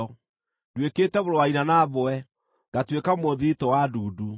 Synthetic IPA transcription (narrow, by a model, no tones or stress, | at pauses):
ɔ | dweketɛβoɾowainanaβoɛ | ɡ̥atwekamoðitɔwaduːdu